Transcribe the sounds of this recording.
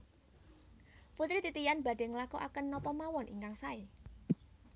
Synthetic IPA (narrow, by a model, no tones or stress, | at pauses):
put̪ɾit̪it̪ijanb̥a̤ɖ̥e̤ŋlakuʔakənːɔpɔmawɔnʔḭŋkaŋsae